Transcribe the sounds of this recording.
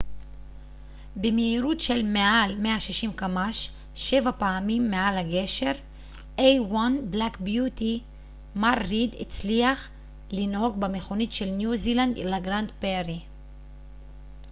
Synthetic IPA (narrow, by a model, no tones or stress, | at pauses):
bemeiɾutʃelmeʔalmeaʃiʃimkamaʃ | ʃe̞vapaːmimːealhaɡe̞ʃe̞ʁ | ʔejwanblakbjut̪i | maʁːid̪ḭt͡sliaχ | linho̞ɡbameχo̞nitʃelnjuziland̪ilaɡʁant̪peɾi